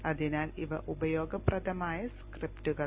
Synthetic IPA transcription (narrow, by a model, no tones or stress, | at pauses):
ɐðinaːliʋɐʔubɐjo̞ːɡɐprɐðɐmaːjɐskriptuɣɐ